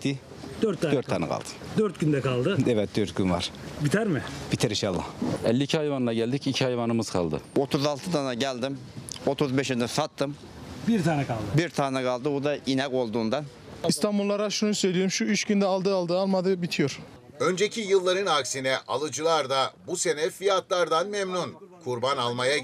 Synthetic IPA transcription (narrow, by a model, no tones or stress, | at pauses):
t̪ʰːi | d̪̥øɾt̪ːdøɾt̪ʰːaːnɛ̰kʰa̰lˠd̪ɯ̥d̪øɾt̪ɡynd̪ɛkʰalˠd̪ɯɛvɛt̪̚d̪øɾt̪̚ɡynva̰ɾ̥bit̪ʰæɾmɪb̥it̪ʰiɾiʃɑlˠːa̰hɛlʲːiːcʰihajvanˠaɟɛlʲd̪icicʰihajvanɯmɯz̥kʰa̰lˠd̪ɯ̰ot̪ʰuzalˠt̪ʰɯd̪anaɟælʲd̪imot̪ʰuzbɛʃind̪ɛsat̪ːɯm | biɾt̪ʰaːnɛkʰalˠd̪ɯbiɾt̪ʰaːnɛkʰalˠd̪ɯbud̪aʔinako̞lˠd̪uːnd̪an | ist̪ʰambulˠːaɾaʃunusø̞jlʲioɾmʃuiʃcynd̪ɛalˠd̪ɯalˠd̪ɯalˠmad̪ɯbit̪ʰijoɾ̥ | ønd͡ʒecʰijɯlˠːaɾɯnaksinɛʔʔalˠɯd͡ʒɯlˠaɾd̪abuse̞nɛfijat̪lˠaɾd̪anmɛmnunkʰuɾbanalˠmaja